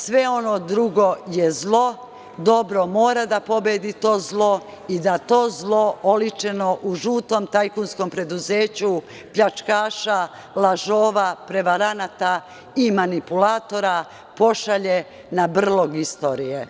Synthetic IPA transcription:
sʋe̞o̞no̞d̪ɾuɡo̞jezlˠo̞ | d̪o̞bɾo̞mo̞ːɾad̪apo̞bed̪it̪o̞ːzlˠo̞ | id̪at̪o̞ːzlˠo̞olit͡ʃe̞no̞ʔuʒuːt̪o̞mt̪ajkunsko̞mpɾe̞d̪uze̞ːt͡ɕu | pʎat͡ʃkaːʃa | laʒoːʋapɾe̞ʋaɾanat̪a | imanipulaːt̪o̞ɾa | po̞ʃaʎe | nabr̩lˠo̞ɡist̪o̞ːɾije

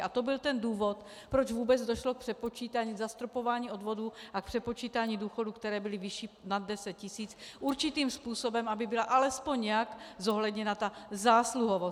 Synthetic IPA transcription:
ʔat̪o̞bɪlt̪ɛnduːvo̞t̪ | pɾod͡ʒvuːbɛd͡zdoʃlok̚pr̝̥ɛpo̞t͡ʃiːt̪aɲiːzast̪ɾopo̞vaːɲiːʔo̞dvo̞duʔak̚pr̝̥ɛpo̞t͡ʃiːt̪aːɲiːduːxo̞dukt̪ɛɾɛːbɪlɪvɪʃiːnad̪̚dɛsɛt̪̚cɪsiːt͡sʔuɾt͡ʃit̪iːmspuːso̞bɛmabɪbɪlaʔalɛspo̞ɲɲɛjakzoɦlɛd̪ɲɛnat̪azaːsluɦovo

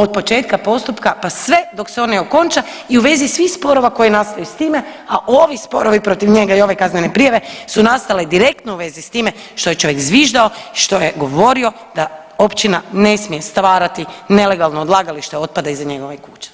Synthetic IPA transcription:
o̞d̪̚po̞t͡ʃe̞ːt̪kapo̞st̪upkapasʋe̞d̪o̞kseo̞neoko̞nt͡ʃa | iuʋe̞zisʋixspo̞ɾo̞ʋako̞jenast̪ajust̪iːmeaʔo̞ʋispo̞̰ɾoʋipɾo̞t̪iʋɲe̞ɡaio̞ʋekazmenepɾijaʋe̞sunast̪aled̪iɾe̞k̚t̪nouʋe̞zist̪iːme | ʃt̪o̞je̞t͡ʃo̞ʋjekzʋiʒd̪ao̞iʃt̪o̞jeɡo̞ʋo̞ɾio̞ | d̪̥a | o̞pt͡ʃinane̞smije̞st̪ʋaːɾat̪ine̞le̞ɡalˠnoːd̪lˠaːɡaliʃt̪eo̞t̪̚pad̪aizaɲe̞ɡo̞ʋekuːt͡ʃe̥

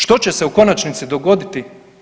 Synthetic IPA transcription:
ʃt̪o̞t͡ɕeseuko̞nat͡ʃnit̪sid̪o̞ɡo̞d̪it̪i

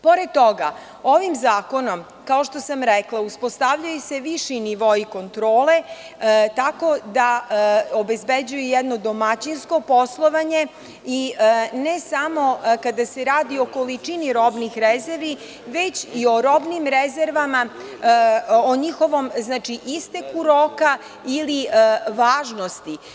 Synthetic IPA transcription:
po̞ɾed̪̚t̪ːoɡa | oʋimzaːko̞no̞m | kaoʃt̪o̞samɾeklˠauspo̞st̪aʋʎujuse̞ʋiʃiniʋoiko̞nt̪ɾoːle̞ | t̪ako̞d̪aobe̞zbed͡ʑujujɛd̪no̞d̪o̞mat͡ɕinsko̞poslˠo̞ʋaɲe̞ | inesamo̞kad̪ase̞ɾaːd̪io̞ko̞lit͡ʂiniɾo̞bnixɾezeɾʋi | ʋe̞t͡ɕio̞ɾobnimɾezeɾʋama | oɲixo̞ʋo̞mznaːt͡ʃiʔist̪ekuɾoːka | iliʋaːʒno̞st̪i

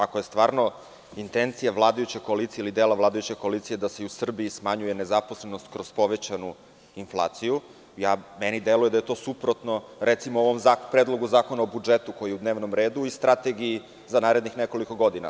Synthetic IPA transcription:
akojest̪ʋaːɾno̞ | int̪ent̪sijaʋlˠaːd̪ajut͡ɕekoalit̪sijeilid̪elaʋlˠaːd̪ajut͡ɕeko̞aliːt̪sije̞d̪aseusr̩biːsmaɲuje̞nezapo̞slenost̪kɾo̞zpo̞ʋet͡ɕanu | inflˠa̰ːt̪siju | jaːmenid̪e̞lujed̪ajet̪o̞ːsupɾot̪noɾʔet̪simooʋo̞mzapɾeːd̪lˠo̞ɡuzaːko̞naobud͡ʒet̪uko̞jijɛud̪neʋnomɾe̞ːd̪uist̪ɾat̪eɡii | zanaːɾed̪nixneko̞liko̞ɡo̞d̪ina̰

